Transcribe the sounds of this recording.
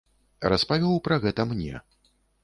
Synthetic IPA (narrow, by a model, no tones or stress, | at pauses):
raspavʲɛwpɾɐɣɛt̪ɐmnʲɛ̰